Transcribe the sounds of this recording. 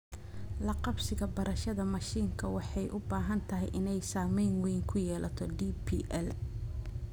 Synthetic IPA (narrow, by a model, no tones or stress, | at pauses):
lɐqɑbsɪɣɐbɐɾɐʃɐðɐmɐʃiːŋkʰɐwɑħɑjʔʊbaːɦɐnt̪ʰɐɦɛjʔɪnɛjsaːmɛjnwɛjŋkʰʊjɛːlʔɐt̪ʰɔɖiːpʰḭːʔɛl